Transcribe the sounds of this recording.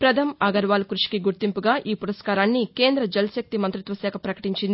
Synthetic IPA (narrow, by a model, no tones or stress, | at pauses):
pɾɐd̪ʰʱɐmɐɡɐɾʋaːlɐkɾuʂi̥kiɡuɾt̪impuɡaːʔiːpuɾɐskaːɾaːnːikeːnd̪ɾɐd͡ʒɐlɐsɐk̚t̪imɐnt̪ɾit̪ʋɐsɛːkʰɐpɾɐkɐ̥ʈiɲt͡ʃind̪i